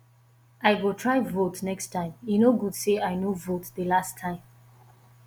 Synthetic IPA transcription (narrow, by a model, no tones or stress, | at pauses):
ʔaɪɡɔtʰɹaɪvotnɛkstʰãɪ̃minoɡudseaɪnovotðəlastʰãɪ̃m